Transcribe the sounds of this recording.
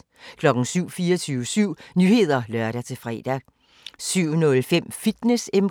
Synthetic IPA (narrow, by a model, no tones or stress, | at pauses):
kʰlɒ̽ɡ̥n̩syʊ̰fiːɐt͡sʰyːʊəsyʊ̰nyːhe̝ð̞̰ˠɐlɶɐɾæt͡sʰe̝fʁɛ̰ːd̥æ | syʊ̰nɔ̽lfem̰fid̥nesem